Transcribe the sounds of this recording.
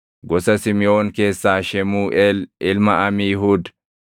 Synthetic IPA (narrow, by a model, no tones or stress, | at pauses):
ɡɔsɐsɪmɪo̞ːŋke̞ːsːaːʃɛmuːʔɛːlʔɪlmɐʔɐmiːɦuːd̪